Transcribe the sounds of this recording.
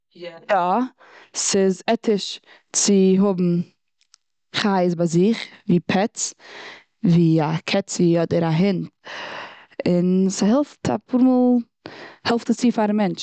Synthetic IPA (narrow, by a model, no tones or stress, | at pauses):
jajɔ | sɪzɛtʰɪʃ | t͡sɪɦʊbm̩ | χaɪzbaɪzɪχviːpʰɛt͡s | viːakʰɛt͡siɔdəɾaɦɪnt | ɪnsahɛlˠftʰa̰pʰuɾmɔːlˠ | hɛlˠftat͡siːfaɾamɛnt͡ʃ